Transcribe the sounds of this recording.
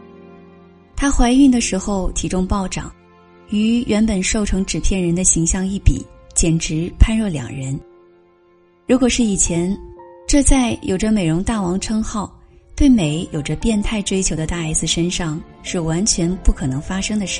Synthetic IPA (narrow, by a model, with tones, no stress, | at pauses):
t̪ʰa˥xwa˧˥ɪi˥˩ŋd̪ə˩ʂɻ̩˧˥xo˥˧ʊt̪ʰi˧˥ʈ͡ʂʊ˥ŋpɑ˥˩ʊʈ͡ʂɑ̰˨˩˦ŋ | y˧˥ɥʔɛ˧˥npə˨˩nʂo˥˩ʊʈ͡ʂʰɤ˧˥ŋʈ͡ʂɻ̩˨˩pʰjɛ˥˩nɻə˧˥nd̪ə˧ɕi˧˥ŋɕjɑ˥˧ŋi˥˩pḭ˨˩˦t͡ɕjɛ˨˩nʈ͡ʂɻ̩˧˥pʰa˥˧nɻɔ˥˩ljɑ̰˨˩ŋɻə˧˥n | ɻu˧˥kwɔ˨˩ʂɻ̩˥˩i˨˩t͡ɕʰjɛ˧˥nʈ͡ʂɤ˥˧t͡sa˥˩ɪjʔo˨˩ʊʈ͡ʂə˦me˨˩ɪɻʊ˧˥ŋt̪a˥˩wɑ˧˥ŋʈ͡ʂʰɤ˥ŋxɑ˥˩ʊ | t̪we˥˩ɪme˧˥ɪjo˨˩ʊʈ͡ʂə˦pjɛ˥˧nt̪ʰa˥˩ɪʈ͡ʂwe˥ɪt͡ɕʰjo˧˥ʊd̪ə˧t̪a˥˧a˥ɪsɹ̩˥˩ʂə˥nʂɑ˥˧ŋ | ʂɻ̩˥˩wa˧˥nt͡ɕʰɥɛ˧˥npu˥˩kʰɤ˨˩nɤ˧˥ŋfa˥ʂɤ˥ŋd̪ə˨˧ʂ̩˥˩